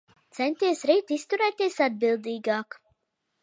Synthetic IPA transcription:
t̪sɛnt̪iɛsɾiːt̪ist̪uɾɛːt̪iɛsad̪̚bilˠd̪iːɡaːk

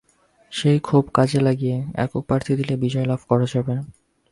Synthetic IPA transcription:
ʃejkʰubkad͡ʑʱelaɡijeɛ̰kopɾaɾt̪ʰid̪ilebid͡ʑɔelabʱkɔɾad͡ʑabe

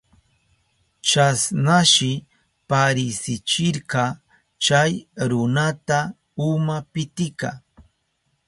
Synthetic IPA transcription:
t͡ʃasnaʃɪ | paɾɪsɪt͡ʃɪɾɢɑ | t͡ʃajɾʊnat̪a | ʊmapɪt̪ɪka̰

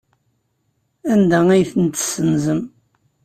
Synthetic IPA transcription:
ænd̪ææjθənt̪ə̥sːənzəm

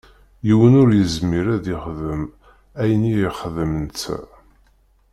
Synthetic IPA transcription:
jiwənʊɾjəzmiɾæðiχðəm | æjənijəχəðəmənt͡sːæ̰

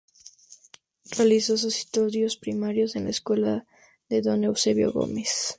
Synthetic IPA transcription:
realisos̬osi̥st̪oðjo̞spɾimaɾjo̞senlaeskwela | ðe̞ðo̞newseβjo̞̰ɣo̞̰mes

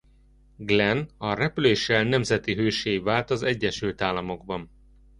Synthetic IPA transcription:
ɡlɛnɒrɛpyleːʃːɛlnɛmzɛt̪iɦøːʃeːjvaːlt̪ɒzɛɟːɛʃylt̪aːlːɒmo̞ɡ̚bɒn

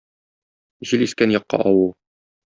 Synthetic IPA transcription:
ʑiliskænjɒqːɑ̰ʔɒwɤlˠ

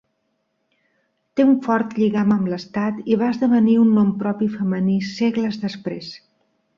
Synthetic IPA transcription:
t̪euɱfɔɾt̪ʎiɣaməmləst̪at̪iβaəzðəβəniunːɔmpɾɔpifəməniseɣləzðəspɾes

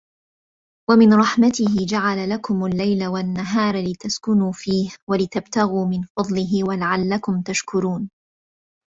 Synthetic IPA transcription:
wamɪnɾˤɑħmat̪ɪhɪd͡ʒaʕalalakʊmalːajlawanːaɦɑːɾˤlɪt̪askʊnuːfiːhwalɪt̪abt̪aɣuːmɪnfɑd̪ˤlɪɦɪwalaʕalːakʊmt̪aʃkʊɾuːn

